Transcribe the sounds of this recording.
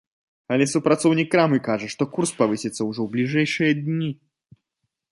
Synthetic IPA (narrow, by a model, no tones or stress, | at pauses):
alʲɛsupɾat̪sɔwnʲikːɾamɨkaʐɐʂt̪ɔkurspavɨsʲɛt̪sːɐwʐɔwblʲiʐɛjʂɨjɐd̪ʲnʲi